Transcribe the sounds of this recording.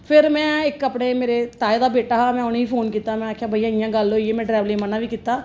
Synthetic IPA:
pʰɪɾmɛ̃ːɪkəpɽeːmeːɾet̪aːed̪aːbeːʈaːmɛ̃ːonːɦiːpʰoːnkiːt̪aːmɛ̃ːaːkʰjaːbʱəijãːijãːɡəloːieːmɛ̃ːɖɾɛːʋlẽːmənaːʋiːkiːt̪ːaː

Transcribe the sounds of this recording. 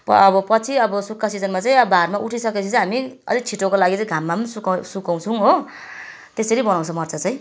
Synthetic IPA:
pʌbʌpʌt͡sʰiʌbʌsukʰːasid͡zʌnmat͡saj̃barmaʔuʈʰisʌket͡sʰut͡sɦamiʌ̰lit͡sʰiʈokolaɡit͡saj̃ɡʱamːapʌnisuksukaw̃t͡sʰũɦo | t̪eseɾibʌnaw̃t͡sʰʌmʌrt͡sʰat͡sʌj̃

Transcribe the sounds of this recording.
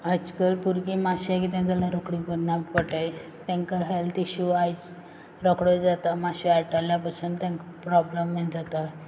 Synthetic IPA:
ajt͡skəɾpuɾkimaɕak̬iːt̪̬ãd͡zalaɾokɽibəd̪nappəʈaj | t̪ãŋkaɦelt̪ʰiɕuajt͡s | ɾɔkɽəd͡zat̪amaɕiaʈaljapasũːnt̪jãŋkapɾɔbləmːad͡zat̪a

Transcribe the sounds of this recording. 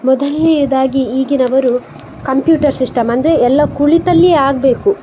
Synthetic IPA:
mɔd̪ɐlːɛjɐd̪aːɡiiːɡinɐʋɐɾu | kɐmpjuːʈɐɾsiʂʈɐmɐnd̪ɐɾe̞ɛlːɐkuɭit̪ɐlːiaːɡbeːku

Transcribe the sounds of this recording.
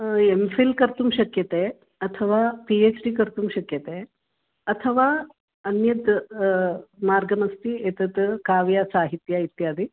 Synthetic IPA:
emfilkɐɾt̪umʃɐkjɐt̪e | ɐt̪ʰɐʋaːpieːt͡ʃɖikɐɾt̪umʃɐkjɐt̪eː | ɐt̪ʰɐʋaː | ɐnjɐd̪ | maːɾɡɐmɐst̪iet̪ɐd̪kaːʋjasaːɦit̪jait̪jaːd̪i

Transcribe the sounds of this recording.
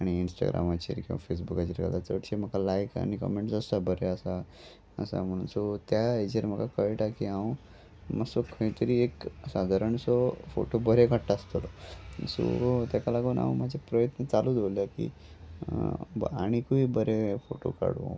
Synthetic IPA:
aɽ̃iːnsʈa̰ɡɾa̰mat͡ɕeɾkĩʋa̰fesbukat͡ɕiɾka̰d̪at͡səʈɕem̤əkalajka̰ɽ̃ikɔ̰meɳʈd͡zəst̪abəɾeəsa | əsa̰m̤əɽ̃uːnsot̪jaed͡ʑeɾm̤əkakəjʈakiã | məsokʰə̃ĩt̪əɾiːeksad̪ʱaɾəɳsɔfo̰ʈobəɾekəɽʈ̪aːst̪əlɔso̰t̪jakalaɡuːna̰ʋũmad͡ʑʱepɾəjət̪nət͡salud̪oljakḭ | a̰ɽ̃ikuibəɾefoʈo̰ka̰ɽ̰

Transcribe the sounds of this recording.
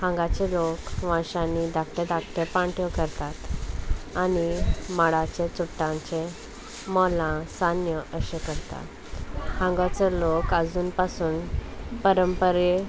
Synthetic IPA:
hãŋɡat͡ɕelokʋãɕãnid̪akʈed̪akʈepãɳʈʰjɔkəɾt̪at̪ | animaɽat͡ɕet͡supʈ̪ãɲt͡ɕe | mɔlãsanjəʔəɕekəɾt̪a̰t | hãŋɡat͡səlokəd͡zuːnpasuːnpəɾəmpəɾe

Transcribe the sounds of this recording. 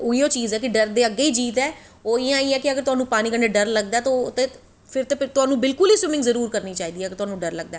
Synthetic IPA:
ʊiːoːt͡ʃiːzɛːkɪɖəɾd̪eːəɡːeːiːd͡ʒiːt̪ɛː | oːɪːãːiːɛːkɪəɡəɾt̪ʊɦaːnũːpaːniːkəɳɖeːɖəɾləɡ̚d̪aːt̪ot̪eː | pʰɪɾt̪et̪ʊaːnũːbɪlkʊliːswɪmɪ̃ŋɡzəɾuːɾkəɾniːt͡ʃaːiːd̪iːɛːɡɪɾt̪ʊɦaːnũːɖəɾləɡ̚d̪aː

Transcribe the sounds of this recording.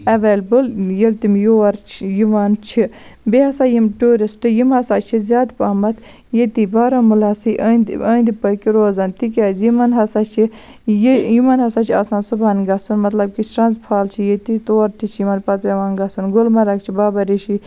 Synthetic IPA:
ɐʋɐlbɨljelt̪imjoːɐɾt͡ʃʰjuʋant͡ʃʰi | beɦɐsaːjimʈuːɾisʈɨjimɐsaːt͡ʃʰizʲjaːd̪paːmɐt̪ʰ | jet̪ibaːɾɐmulaːsiʔɐnd̪əːnd̪ipɐkiɾoːzɐnt̪ikʲaːzjimɐnɦɐsaːt͡ʃʰi | jjimɐnɦɐsaːt͡ʃʰa̰ːsaːnsubaːnɡɐsunmɐt̪lɐb̚kit͡ʃʰʈɾɐnzpʰaːlt͡ʃʰijet̪it̪oːɾt̪it͡ʃʰjimɐnpɐt̪̚peʋaːnɡɐsunɡʊlmɐɾɐkt͡ʃʰibaːbɐɾiʃi

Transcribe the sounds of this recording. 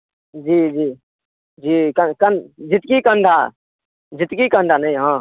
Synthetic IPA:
d͡ʒiːd͡ʒiː | d͡ʒiːkəkənd͡ʒɪt̪kikə̃nɖ̪ʱa | d͡ʒɪt̪kikə̃ɳɖ̪ʱanɐɦĩɦãː

